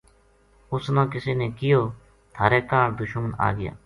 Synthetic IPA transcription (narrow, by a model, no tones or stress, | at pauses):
ʊsnãːkɪseːneːkɪjoː | t̪ʰaːɾɛːkaːɳd̪ʊʃəməna̰ːɡɪja̰ː